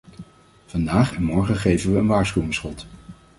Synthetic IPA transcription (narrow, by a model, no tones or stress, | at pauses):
v̥ɑndaːχɛnmɔɹχəχejvənʋəənʋaːɹsχywɪŋsχɔt